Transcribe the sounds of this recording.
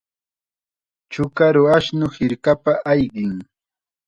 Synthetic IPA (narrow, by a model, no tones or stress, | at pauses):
t͡ʃʊkaɾʊaʃnʊhɪɾkapaʔajɢɪŋ